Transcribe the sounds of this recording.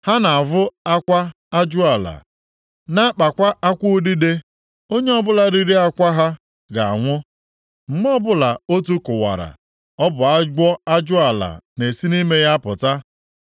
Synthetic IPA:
ha˦na˨a˨vʊ˦a˦kʷa˦ | a˦d͡ʒʊ˦a˨la̰˨ | na˦k͡pa˨kʷa˦a˦kʷu˦di˦de˦ | o˦ɲe˦ɔ˦bʊ˦la˨ɾi˦ɾi˦a˦kʷa˦ɦa˦ | ɡa˨a̰˨ŋʷʊ˦ | ŋ͡m̩˦m˦ɔ˦bʊ˦la˨o˦tu˦kʊ˨wa̰˨ɾa̰˨ | ɔ˦bʊ˨a˦ɡ͡bɔ˦a˦d͡ʒʊ˦a˨la̰˨ne˨si˦ni˦me˦ja˦pʊ˨ta˦

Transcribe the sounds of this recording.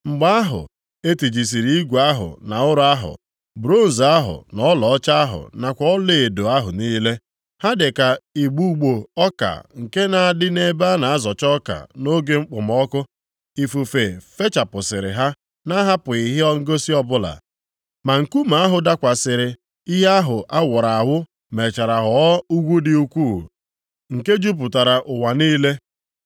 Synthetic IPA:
ŋ͡m̩˨ɡ͡ba˦a˦ɦʊ̰˨ | e˦ti˨d͡ʒi˨s̬i˨ɾi˨˦i˦ɡʷa˦ɦʊ̰˨na˨ʊ˦ɾʊ˦a˦ɦʊ̰˨ | bɾo˦˨n̩˨za˦ɦʊ̰˨nɔ˦lɔ˨ɔ˦t͡ʃa˦a˦ɦʊ̰˨na˨kʷɔ˦ɔ˦le˦˨e˨do˨a˦ɦʊ˨niː˦le˦ | ha˦dɪ˨ka˨i˨ɡ͡bu˦ɡ͡bo˨ɔ˦ka̰˨ŋ̩˨ke˦na˨a˨dɪ˦ne˦ba˦na˨a˦zɔ˨t͡ʃɔ˦ka̰˨no˦ɡe˦ŋ͡m̩˦k͡pʊ˨m˦ɔ˦kʊ˦ | i˨fu˨fe˨fe˦t͡ʃa˨pʊ˨sɪ˨ɾɪ̰˨ɦa˦ | na˦ɦa˦pʊ˨i˨ɦɪ˦ɔ˦ŋ̩˦ɡo˦si˦ɔ˦bʊ˦la̰˨ | ma˨ŋ̩˨ku˦ma˨a˦ɦʊ˨da˦kʷa˨sɪ˨ɾɪ˨ | i˦ɦe˦a˦ɦʊ˨ʔa˦wʊ˨ɾa˨a˨ɦʊ˦ | me˨t͡ʃa˨ɾa˨ɦɔ˨˦u˦ɡʷu˦dɪ˦u˦kʷu˦˨ | ŋ̩˨ke˦d͡ʒu˦p̬ʊ˨ta˨ɾa˨ʔʊ˨wa˨niː˦le˦

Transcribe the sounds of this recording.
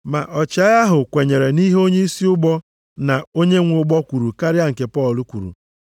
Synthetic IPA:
ma˨ʔɔ˨t͡ʃa˦ja˦ɦʊ˨kʷe˨ɲe˨ɾe˨ni˦ɦo˦ɲe˦i˦si˦ʊ˦ɡ͡bɔ˦ | na˨o˦ɲe˦ŋʷʊ˦ɡ͡bɔ˦kʷu˨ɾu˨ka˦ɾja˦ŋ̩˨ke˨pɔ˦˨lu˦kʷu˨ɾṵ˨

